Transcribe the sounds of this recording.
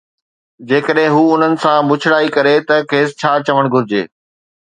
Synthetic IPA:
d͡ʑeːkəɗɦɪ̃ɦuːʊn̤ənɪ̆sãmʊt͡ɕʰɪɽaːikɐɾet̪ɐkʰeːst͡ɕʰaːt͡ɕɐʋəɽ̃ɡʱʊɾɪd͡ʑḛː

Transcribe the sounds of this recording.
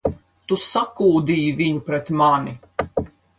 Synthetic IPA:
t̪usakuːd̪iːjiviɲupɾɛt̪mani

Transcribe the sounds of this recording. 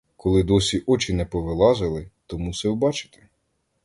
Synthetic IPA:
kʰɔlˠɪd̪ɔsʲiʔɔt͡ʃɪnɛpɔʋelˠɑzɪlˠɪt̪ɔmusɛwbɑt͡ʃɪ̥t̪ɪ̥

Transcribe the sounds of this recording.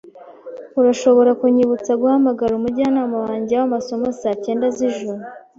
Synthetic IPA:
uɾaʃo̞βo̞ɾakuɲiβut͡saɡuhamaɡaɾumuɾɟianaːmawaːɲɟeawamaso̞mosaːce̞ːndaziʒuɾu

